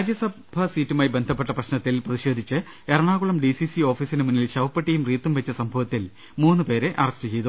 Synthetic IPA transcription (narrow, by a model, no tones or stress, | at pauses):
aːd͡ʑjɐsɐbʱɐsiːtːumaːjibe̞nd̪ʱɐpːe̞ʈːɐprɐɕnɐt̪ːilprɐðiɕe̞ːd̪ʱit͡ɕːɨ | eɾɐɳaːɣuɭɐmɖisisio̞ːfiːsinɨmunːilɕɐʋɐpːɐʈːijumriːt̪ːumʋet͡ɕːɐsɐmbʱɐʋɐt̪ːil | muːnːɨpe̞ːɾeʔɐrɐstɨt͡ɕe̞jt̪u